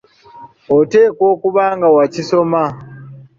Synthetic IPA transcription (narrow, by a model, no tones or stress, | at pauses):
ote̞ːko̞ːkuβaːŋɡawaciso̞ma